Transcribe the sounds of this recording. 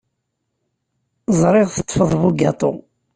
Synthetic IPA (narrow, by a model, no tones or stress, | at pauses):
zˤɾˤɪʁθət̪ˤːfəðˤβuɡɑt̪ˤo̰